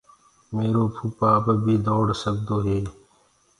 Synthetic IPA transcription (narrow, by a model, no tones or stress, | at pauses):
meːɾoːpʰupaːbəbʱiːd̪oːɽsəɡd̪oːɦeː